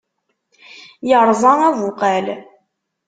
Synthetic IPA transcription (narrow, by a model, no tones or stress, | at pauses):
jəɾˤzˤɑævʊqæl